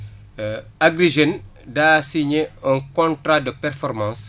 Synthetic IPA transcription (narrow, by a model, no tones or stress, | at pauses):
aɡɾiʒen | dasiɲeəŋkɔ̃ntɾadəpɛrfɔɾmɑ̃ːns